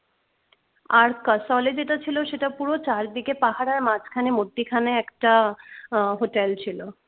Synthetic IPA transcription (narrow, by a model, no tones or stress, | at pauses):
aɾkasɔled͡ʑeʈat͡ɕʰiloʃeʈapuɾot͡ɕaɾd̪ikepaɦaɾaɾmat͡ɕkʰanemod̪ːikʰaneɛkʈa | ɦoʈelt͡ɕʰilo